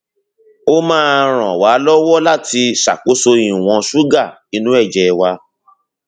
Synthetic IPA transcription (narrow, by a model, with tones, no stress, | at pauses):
o˦mãː˦˧ɾ̃ã˨waː˨˦lɔ˦wɔ˦la˦˨ti˧ʃa̰˨ko˨˦so˧ĩ˨w̃ɔ̃˧ʃu˦ɡa˦˨ | i˧nũ˦ɛ˦˨d͡ʒɛ˨˧wa˧